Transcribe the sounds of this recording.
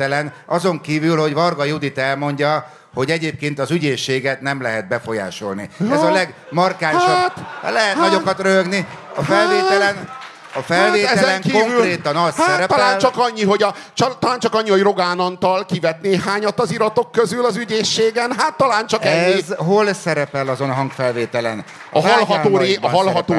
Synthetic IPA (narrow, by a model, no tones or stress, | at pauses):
ɛlɛnɒzo̞ŋkiːvylho̞ɟvɒrɡɒjud̪it̪ɛlmo̞ɲɟɒ | ho̞ɟɛɟeːp̚keːnt̪ɒzyɟeːʃːeːɡɛt̪nɛmlɛɦɛt̪̚bɛfo̞ja̰ːʃo̞̰lnḭɛzɒlɛɡ | mɒrkaːʃɔb̰̪lɛɦɛt̪nɒɟokɒt̪røɡni | ɒfɛlveːt̪ɛlɛn | ɒfɛleːɛɛzɛlɛŋŋkioŋvylɾeːt̪ɒnɒssɛɾɛt̪ɒaːnlt͡ʃɒkɒɲːiɦo̞ɟɒt͡ʃɒt̪ɒlaːnt͡ʃɒkɒɲːiojro̞ɡaːnɒnt̪ɒlkivɛt̪neːɦaːɲɒt̪ːɒziɾɒt̪o̞kːøzylɒzyɟeːʃːeːɡɛnɦaːt̪ːɒlaːnt͡ʃɒkɛɲːizɦo̞lsɛɾɛpɛlɒzonɦɒŋɡfɛlveːt̪ɛlɛn | ɒɦɒlɦɒoːɾeɒɦɒlɒt̪oː